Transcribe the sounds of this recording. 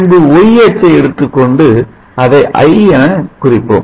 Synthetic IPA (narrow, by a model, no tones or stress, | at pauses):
nbɯɔjɐt͡ʃːɐɪɛɽɯt̪ːɯkːɔɳɖɯ | ɐðɐɪʔɐ̰ɪɛnɐkʊrɪpːɯ̰ːm